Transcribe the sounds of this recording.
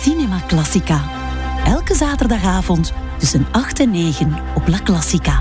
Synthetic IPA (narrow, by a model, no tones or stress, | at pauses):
sinɛmaklɑsika | ʔɛlˠkəzaːtərdɑxaːvɔnt | tʏsənɑxtɛnːeːɣən | ɔplaklɑsika